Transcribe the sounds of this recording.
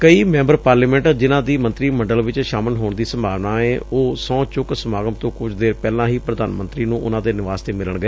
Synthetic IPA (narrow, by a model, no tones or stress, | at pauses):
kəiːmɛ̃ːmbəɾpaːɾliːmɛ̃ːɳʈːd͡ʒɪnãːd̪iːmə̃nt̪ɾiːməɳɖəlʋɪt͡ʃʃaːməlɦoːɳd̪iːsəmbʱaːʋnaːeːoːsɔ̃ːt͡ʃʊksəmaːɡəmt̪õːkʊt͡ʃʰd̪eːɾpɛːlãːɦiːpɾəd̪a̰ːnmə̃nt̪ɾiːnũːʔʊnãːd̪eːnɪʋaːst̪eːmɪləɳɡəeː